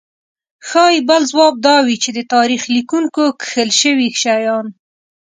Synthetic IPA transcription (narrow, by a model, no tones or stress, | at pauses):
xɑjibəlzwɑb̚d̪ɑwit͡ʃed̪ət̪ɑɾixlikuŋkokxəlʃəwixʃajɑn